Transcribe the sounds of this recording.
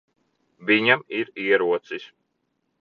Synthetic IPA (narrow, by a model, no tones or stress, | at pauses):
vʲiɲamiɾiɛɾuɔt̪sis